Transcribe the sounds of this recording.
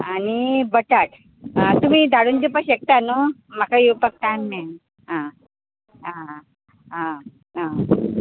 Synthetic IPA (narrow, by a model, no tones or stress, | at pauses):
anibəʈaʈ | t̪um̤iːd̪ʱaɽund͡ʑipəɕek̚t̪anomakʰajupək̚ʈ̪anmen | ɦã | ɦã | ɦã | ã